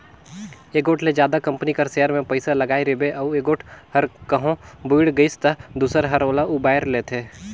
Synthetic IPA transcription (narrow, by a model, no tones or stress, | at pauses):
eːɡoːʈʰled͡ʒjaːd̪akɐ̃mpənikɐɾseːəɾmẽpəɪsalɐɡaːiɾebeʔɐeːɡoːʈʰhɐɾkɐɦõbuɪɽɡəɪst̪əd̪uːsəɾɦɐɾoːlaʊbaːɪɾleːt̪ʰeː